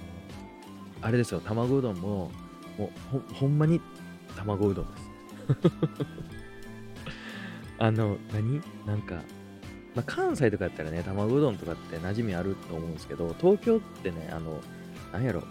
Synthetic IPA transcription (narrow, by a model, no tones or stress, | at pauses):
no | aɾe̞d̪e̞sɨjo̞t̪amaɡo̞ːd̪õ̞mːo̞ | moːhõhõ̞mːaɲ̟i | t̪amaɡo̞d̪õ̞nd̪esɨ̥ | ano̞naɲ̟i | nãŋka̰ | makʰãɰ̃sait̪o̞kajat̪ːaɾanet̪amaɡo̞ːd̪õ̞nt̪o̞kat̪ːe̞naʑimʲiaɾɯ̟t̪ːoːmo̞ɯ̃nesɨ̥ke̞d̪o̞t̪o̞ːkʲo̞ːt̪ːe̞ne̞̰ʔa̰no̞ | nãɲ̃jaɾo̞̰